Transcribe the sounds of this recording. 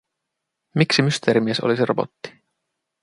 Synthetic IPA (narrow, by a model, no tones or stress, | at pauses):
miksimyst̪eɾimeso̞̰lisirob̥o̞̰t̪ːi̥